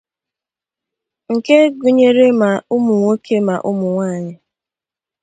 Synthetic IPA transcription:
ŋ̩˨ke˦ɡu˨ɲe˦ɾe˦ma˨ʊ˦mʊ˨ŋo˦kʰe˦ma˨ʔʊ˦mʊ˨ŋʷa˦˨ɲɪ˨

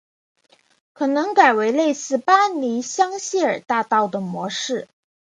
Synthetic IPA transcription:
kʰɤ˨˩nɤ˧˥ŋka˨˩ɪwe˧˥ɪle˥˧ɪsɹ̩˥˩pa˥ni˧˥ɕjɑ˥ŋɕi˥ə̰˞˨˩t̪a˥˧t̪ɑ˥˩ʊd̪ə˩mwɔ˧˥ʂɻ̩˥˩

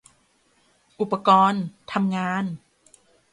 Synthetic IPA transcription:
ʔu˨˩pːa˧kɔː˧nt̪ʰa˧mŋaː˧n

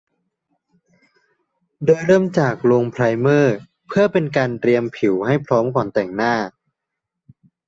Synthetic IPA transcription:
doː˧jɾɤː˥˩mt͡ɕaː˨˩k̚loː˧ŋpʰɾa˧jmɤː˥˩ | pʰɯ˥˩ɐpe˧nkaː˧nt̪ɾi˧əmpʰi˩˦wha˥˩jpʰɾɔː˦˥mkɔː˨˩nt̪ɛ˨˩ŋnaː˥˩

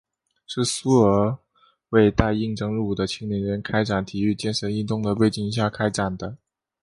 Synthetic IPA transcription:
ʂɻ̩˥˩su˥ə˧˥ | we˥˧ɪt̪a˥˧ɪi˥˩ŋʈ͡ʂɤ˥ŋɻu˥˩d̪ə˦t͡ɕʰi˥ŋni˧˥nɻə˧˥nkʰa˥ɪʈ͡ʂa˨˩nt̪ʰi˨˩y˥˩˧t͡ɕjɛ˥˩nʂə˧˥ni˥˧nt̪ʊ˥˩ŋd̪ə˨˩pe˥˧ɪt͡ɕi˥˩ŋi˧˥ɕja˥˩kʰa˥ɪʈ͡ʂa˨˩nd̪ə˦

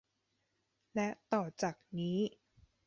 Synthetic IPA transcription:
lɛ˦˥t̪ɔː˨˩t͡ɕaː˨˩k̚niː˦˥

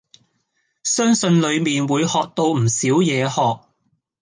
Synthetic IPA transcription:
sœː˥ŋsɵ˧nlɵ˨˧ɥmiː˨nwuː˨˧jhɔː˨k̚t̪o˧wm̩˨˩siː˨˥wjɛː˨˧hɔː˨k̚

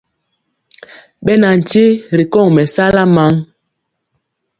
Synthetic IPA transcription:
ɓɛ˦na˨n̩˨t͡ʃe˦ɾi˨kɔ˦˨ŋmɛ˨sa˦la˦ma˨˦ŋ

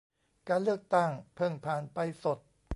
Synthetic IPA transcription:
kaː˧nlɯ˥˩ək̚t̪a˥˩ŋpʰɤ˥˩ŋpʰaː˨˩npa˧jso˨˩t̪̚

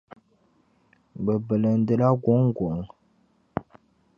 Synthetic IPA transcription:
bə˨bə˨lə˨n̩˦də˦la˦ɡɔ˨˦ŋ˦ɡo˨ŋ

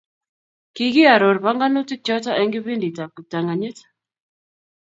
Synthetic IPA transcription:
ki˨ɡi˦a˨ɾo˨ɾba˦ŋɡa˦no˦ti˦t͡ʃɔ˦ta˦ɛ˦ŋɡi˦βi˦ndi˨ta˨ku˨ta˨ŋa˨ɲe˦t

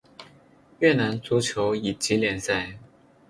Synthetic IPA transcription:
ɥɛ˥˨na˧˥nt͡su˥t͡ɕʰjo˧˥ʊi˨˩t͡ɕi˨˧˥ljɛ˨˥˩nsa˥˩ɪ

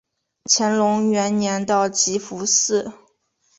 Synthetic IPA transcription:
t͡ɕʰjɛ˧˥nlʊ˧˥ŋɥɛ˧˥nnjɛ˧˥nt̪ɑ˥˩ʊt͡ɕi˧˥fu˧˥sɹ̩˥˩

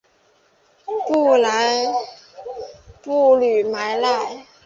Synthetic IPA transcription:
pu˥˩la˨˥˦j | pu˥˩ly˨˩ma˨˥jla˥˩j

